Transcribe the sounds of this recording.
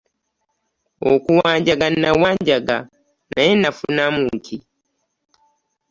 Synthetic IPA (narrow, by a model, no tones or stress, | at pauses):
okuwaːɲɟaɡanːawaːɲɟaɡa̰ | najenːafunamutʰi